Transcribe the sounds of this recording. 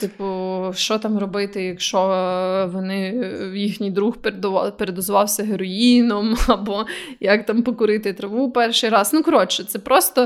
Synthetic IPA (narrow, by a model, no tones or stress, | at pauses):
t̪ɪpʊʃt͡ʃɔt̪ɑmɾɔbɪt̪ɪjɐkʃt͡ʃɔʋɔnɪwjixnʲijd̪ɾuxpeɾd̪ʋpeɾed̪ɔzʋɑwsʲɐɦeɾɔjinɔmɐbɔjɐkt̪ɑmpɔkʊɾɪt̪ɪt̪ɾɐʋupɛrʃɪjɾɑznukɔɾɔt͡ʃɛt̪sɛpɾɔst̪ɔ